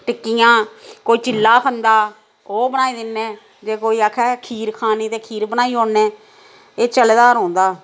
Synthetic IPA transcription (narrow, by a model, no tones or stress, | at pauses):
ʈɪkːijãːkoːiːt͡ʃɪlːaːkʰənd̪aː | oːbənaːiːd̪ɪnːeː | d͡ʒeːkoːiːakʰɛːkʰiːɾkʰaːniːt̪eːkʰiːɾbənaːiːɦoːnːɛ̃ː | eːt͡ʃəled̪aːɾõːnd̪aː